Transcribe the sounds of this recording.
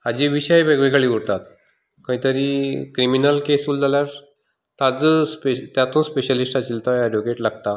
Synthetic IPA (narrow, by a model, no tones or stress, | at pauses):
ad͡ʑiːʋiɕajbəɡʋikaɭiːʋuɽt̪at̪ | kə̃ɦĩt̪əɾiːkɾiminəlkesuld͡zaljaɾ | t̪ad͡zəspet̪jat̪ũːspeɕəlisʈat͡ɕilt̪aəɖʋokeʈlaɡt̪a